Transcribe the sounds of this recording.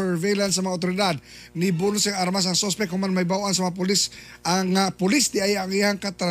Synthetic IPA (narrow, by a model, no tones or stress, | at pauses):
ɛɹvejlans̬ːɐmɐŋaʊt̪̬oɾɪd̪ad̪̚ | nɪbʊlsɛŋaɾmas̬ɐŋsospɛkhʊŋmanmajbawʔansɐmɐŋap̬ʊlɪs | ʔaŋapʊlɪsd̪ɪʔajaŋihaŋkat̪aɾ